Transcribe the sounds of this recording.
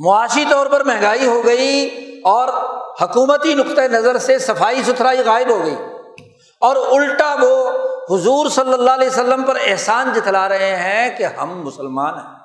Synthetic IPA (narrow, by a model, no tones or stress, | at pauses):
mʊaːʃit̪ɔːɾpɐɾmɛ̃ɦŋɡaːiɦoɡɐiɔːɾhɐkuːmət̪inʊkt̪enɐzəɾsesɐfaːisʊt̪ʰɾaːiɣaːɪbɦoɡɐḭː | ɔːɾʊlʈaʋohʊzuːɾsɐlːəlːalesəlːəmpɐɾɪɦsaːnd͡ʒɪt̪ʰlaɾɐɦeɦɛ̃keɦɐ̰mːʊsəlmaːnɦɛ̃ː